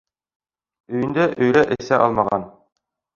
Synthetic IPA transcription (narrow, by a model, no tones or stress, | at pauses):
ɵ̆jɘ̆nd̪æʔɵ̆jɾæʔɘ̆sæʔɑlˠmɑʁɑn